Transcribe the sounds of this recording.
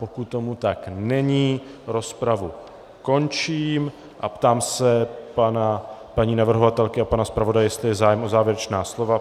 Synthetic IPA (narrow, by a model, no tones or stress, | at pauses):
po̞kut̪ːo̞mut̪aknɛɲiː | ɾo̞spɾavu | ko̞nt͡ʃiːm | ʔapt̪aːmsɛpanapaɲiːnavr̩ɦo̞vat̪ɛlkɪapanaspɾavo̞dajjɛst̪lɪjɛzaːjɛmo̞zaːvjɛɾɛt͡ʃnaːslo̞va